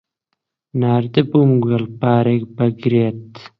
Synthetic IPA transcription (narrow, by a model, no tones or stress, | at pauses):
naːɾt̪epumɡɐlpaːɾek̚bɐɡɾeːt̪